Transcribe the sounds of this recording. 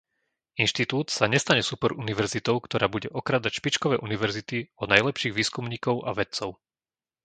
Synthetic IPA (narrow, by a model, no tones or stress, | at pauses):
inʃt̪it̪uːt̪saɲɛst̪aɲɛsupɔɾʔuniʋɛɾzit̪ɔʊkt̪ɔɾaːbuɟɛʔɔkɾaːd̪acʃpit͡ʃkɔʋɛːʔuniʋɛɾzit̪iɔnajlɛpʃiːɣʋiːskumɲiːkɔʊʔaʋɛt̪t͡sɔʊ